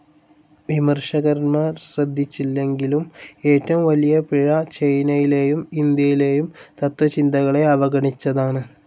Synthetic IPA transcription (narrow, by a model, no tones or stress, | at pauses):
ʋimɐrʂɐɣɐɾnmaːrɕrɐd̪ʱːit͡ɕːilːe̞ŋɡilume̞ːtːɐʋumʋɐlijɐpiɻɐt͡ɕejnɐjile̞ːjumind̪jɐjile̞ːjumt̪ɐt̪ʋɐt͡ɕind̪ɐɣɐɭe̞ɐʋɐɡɐɳit͡ɕːɐðaːɳɨ